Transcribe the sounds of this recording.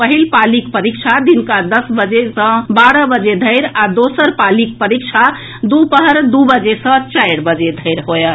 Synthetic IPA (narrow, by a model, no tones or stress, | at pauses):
pəɦilpalikpəɾikt͡ʃʰad̪inkad̪əsbəd͡ʒesə̃baɾəbəd͡ʒed̪ʱəjɾad̪osəɾpalik̚pəɾik̚t͡ʃʰa | d̪upəɦəɾd̪ubəd͡ʒesə̃t͡ʃajɾbəd͡ʒed̪ʱəɪɾɦojə